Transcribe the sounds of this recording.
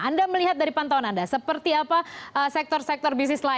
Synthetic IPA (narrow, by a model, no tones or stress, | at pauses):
andaməliɦat̪̚daɾipant̪awanandasəpərt̪iapaəsɛk̚t̪ɔrsɛk̚t̪ɔrbis̬nɪsla